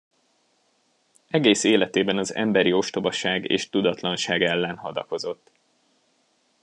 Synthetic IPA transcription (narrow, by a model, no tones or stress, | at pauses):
ɛɡeːseːlɛt̪eːbɛnɒzɛ̰mbɛɾio̞ʃt̪o̞bɒʃaːɡḛːʃt̪ud̪ɒt̪lɒnʃaːɡɛlːɛnɦɒd̪ɒ̰ko̞zo̞t̪ː